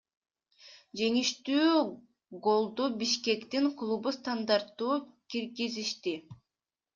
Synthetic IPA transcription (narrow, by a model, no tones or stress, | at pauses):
d͡ʒe̞ŋiʃt̪yː | ɡo̞lˠd̪ubiʃke̞kt̪iŋklˠubust̪and̪aɾt̪ːuːkiɾɡiziʃt̪i